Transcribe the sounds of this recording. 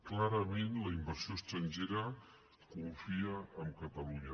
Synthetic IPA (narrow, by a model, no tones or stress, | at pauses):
klaɾəmenləimbəɾsioəst̪ɾənʒeɾə | kuɱfiəəmkət̪əluɲə